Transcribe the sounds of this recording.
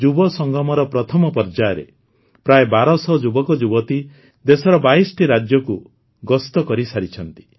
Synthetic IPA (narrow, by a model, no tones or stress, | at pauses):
d͡ʒubɔsɔŋɡɔmɔɾɔpɾɔt̪ʰɔmɔpɔɾd͡ʒaɾḛ | pɾaebaɾɔsɔd͡ʒubɔkɔd͡ʒubɔt̪i | d̪esɔɾɔbaisɔ̥ʈiɾad͡ʒjɔku | ɡɔst̪ɔkɔɾisaɾit͡ʃʰɔnt̪i̥